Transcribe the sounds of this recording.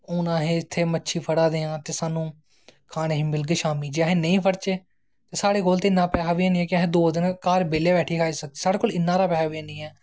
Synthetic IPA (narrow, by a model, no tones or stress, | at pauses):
ʊnãːɦẽːɪt̪ʰːeːmətːʃʰiːpʰəɽaːd̪eːãːt̪eːsaːnũː | kʰaːneːɦiːmɪlɡeʃaːmiːd͡ʒeaɦẽːnəĩːpʰəɾt͡ʃeː | t̪eːsaːɽeːkoːlt̪eːɪnːãːpɛːɦaːʋiãːnĩːɛːkɪaɦẽːd̪oːd̪ɪnkaːɾbeːleːbɛːʈʰiːkʰaːiːsək̚d̪eːsaːɽeːkoːlɪnːãːɾaːpɛːɦaːʋiãːnĩːɛː